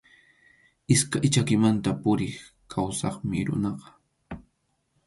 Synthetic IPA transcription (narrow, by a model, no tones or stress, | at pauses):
ɪskajt͡ʃakɪmant̪apʊɾɪχ | kʰawsɑχmɪɾʊ̰nɑqɑ̥